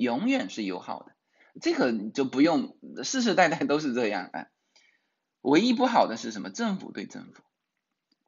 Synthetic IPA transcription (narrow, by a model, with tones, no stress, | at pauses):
jʊ˧˥ŋjɥɛ˨˩nʂɻ̩˥˩jo˧˥ʊxɑ˨˩ʊd̪ə˦˧ | ʈ͡ʂe˥˩kʰɤ˨˩˨t͡ɕjo˥˩ʊpu˧˥jʊ˥˧ŋʂɻ̩˥˧ʂ̬ɻ̩˥˧t̪a˥˧ɪt̪a˥˧˩ɪt̪o˥ʊʂ̬ɻ̩˥˧ʈ͡ʂɤ˥˧jɑ̰˥˩ŋə̰˧˩ | we˧˥ɪi˥p̬u˥˩xɑ˨˩ʊd̪ə˦ʂɻ̩˥˩ə˧˥nmə˧ʈ͡ʂɤ˥˩ŋfṵ˨˩t̪we˥˧ɪʈ͡ʂə̰˥˩ŋfu̥˨˩˦